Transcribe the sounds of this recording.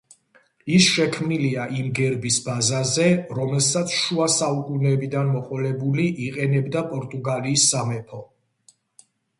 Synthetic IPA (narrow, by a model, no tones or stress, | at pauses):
isʃɛkʰmniliaʔimɡɛɾbisbazazɛɾɔmɛlsat̪sʰʃuasaukʼunɛbid̪anmɔqʼɔlɛbuliʔiqʼɛnɛbd̪apʼɔɾt̪ʼuɡaliːsːamɛpʰɔ